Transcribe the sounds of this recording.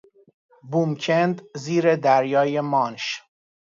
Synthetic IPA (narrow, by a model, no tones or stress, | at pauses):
bumcʰend̪ziːɾed̪æɾjɒːjemɒːnʃ